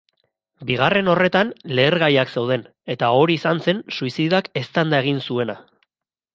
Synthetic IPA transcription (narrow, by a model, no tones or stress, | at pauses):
biɣ̞are̞no̞re̞t̪anle̞ːɾɣajakse̞wð̞e̞n | e̞t̪ao̞ɾiːsanse̞nsuisiðake̞st̪and̪ae̞ɣ̞insue̞na